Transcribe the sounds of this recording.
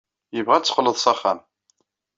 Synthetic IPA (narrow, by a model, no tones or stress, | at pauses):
jəvʁæt͡sːə̥qləðˤsɑχːæm